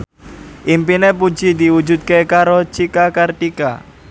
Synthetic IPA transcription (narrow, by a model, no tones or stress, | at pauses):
ʔimpinepu̥d͡ʒid̪iwud͡ʒut̪̚kekaɾot͡ʃikakartika̰